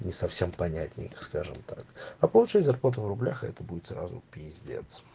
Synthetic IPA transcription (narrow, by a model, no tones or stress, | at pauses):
nʲɪsɐfsʲe̞mpɐnʲætʲnʲɪ̰jskaʐɨmt̪akɐpəlˠʊt͡ɕɛtʲzɐrplˠat̪əvrʊblʲaxɛt̪əbudʲɪt̪sra̰zʊ̰pʲɪjɪzʲdʲḛt̪sə